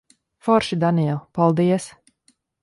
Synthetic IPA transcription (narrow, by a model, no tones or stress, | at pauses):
fɔɾʃid̪aniɛlˠpalˠd̪iɛs